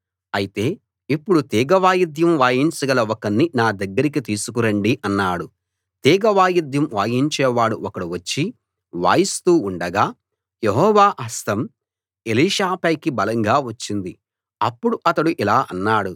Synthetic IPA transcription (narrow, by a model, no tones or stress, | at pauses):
ɐjit̪e̞ː | ipːuɽut̪iːɡɐʋaːjid̪jɐmʋaːjiɲt͡ʃɐɡɐlɐɔkɐnːinaːd̪ɐɡːɐɾik̬it̪iːsukuɾɐɳɖiʔɐnːaːɽu | t̪iːɡɐʋaːjid̪jɐmʋaːjiɲt͡ʃɛːʋaːɽuɔkɐɽuʋɐt͡ʃːi | ʋa̰ːjist̪uːɳɖɐɡaː | jeɦɔːʋaːʔɐst̪ɐm | eliːʃaːpɐjkibɐlɐŋɡaːʋɐt͡ʃːind̪i | ɐpːuɽuʔɐt̪ɐɽuʔilaːʔɐnːaːɽu